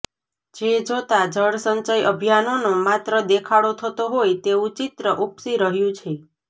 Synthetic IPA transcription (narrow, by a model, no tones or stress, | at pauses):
d͡ʒed͡ʒot̪ad͡ʒəɽsənt͡ʃəjʔəbʱijanonomat̪ɾəd̪ekʰaɭot̪ʰət̪oɦojt̪eũt͡ʃit̪ɾəʔupsiɾəɦjũt͡ʃʰe